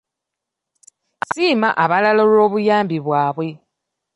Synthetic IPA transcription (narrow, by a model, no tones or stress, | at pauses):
siːmaʔaβalalolo̞ːβujaːmbiβwaːβwe̞